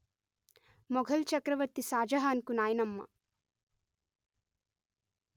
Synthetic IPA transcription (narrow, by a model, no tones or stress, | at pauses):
mɔɡʱɐlt͡ʃɐkɾɐʋɐɾt̪isaːd͡ʒɐɦaːnkunaːjɐnɐmːɐ̰